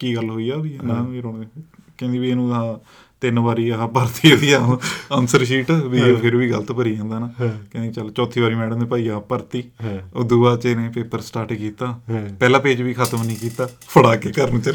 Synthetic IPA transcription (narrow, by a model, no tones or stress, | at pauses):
kiːɡəlːɦoːiːaːʋiːnaiɾoːekɛ̃ːnd̪iːʋieːnũːãː | t̪ɪnʋaːɾiːəãːbəɾt̪iːʋiːaːənsəɾʃiːʈːʋiːoːpʰɪɾʋiːɡəlt̪ːpəɾiːãːnd̪aːnaːkɛ̃ːnd̪iit͡ʃəlt͡ʃɔːt̪ʰːiːʋaːɾiːmɛːɽə̃nd̪eːpaːiːapəɾt̪iːod̪uːaːt͡ʃeːnẽːpeːpəɾsʈaːʈikiːt̪aːpɛːlãːpeːd͡ʒʋiːkʰət̪əmnĩːkiːt̪aːpəɽaːkeːkəɾnːt͡ʃəl